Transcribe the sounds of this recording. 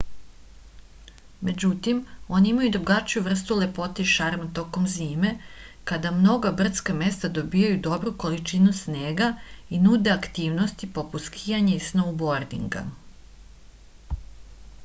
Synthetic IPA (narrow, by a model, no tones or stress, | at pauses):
me̞d͡ʑut̪imo̞niimajud̪ɾuɡat͡ʃijuʋr̩st̪ule̞po̞t̪eʃaɾmat̪o̞ko̞mziːme̞kad̪amno̞ɡabr̩t̪skame̞st̪ad̪o̞bijajud̪o̞bɾuko̞lit͡ʃinusneːɡainud̪e̞akt̪iːʋno̞st̪ipo̞put̪skʰijaɲeisnobo̞ɾd̪ḭŋɡa̰